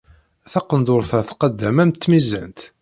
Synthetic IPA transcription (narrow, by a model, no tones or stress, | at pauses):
θɑqənd̪ʊɾfæθqəd̪ːæmæmt̪ːmizːæ̰nt̪